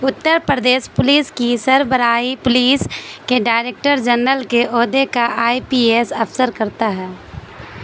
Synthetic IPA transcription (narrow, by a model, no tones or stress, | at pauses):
ʊt̪ːəɾpɾəd̪eːʃpʊliːskisəɾbəɾaːipʊliːskeɖaːɪɾeːk̚ʈəɾd͡ʒənɾəlkeʔɔːd̪ekaʔaːipiːeːsəpsəɾkəɾt̪aɦɛː